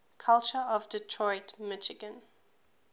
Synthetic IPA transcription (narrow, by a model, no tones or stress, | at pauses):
kʰalt͡ʃəɔvdɪtʰɹɔɪtmɪʃɪɡə̃n